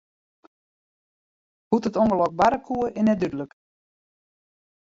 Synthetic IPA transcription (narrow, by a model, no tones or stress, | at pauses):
hutətoŋɡəlɔk̚baɾəkʰuəʔɪnɛdydələk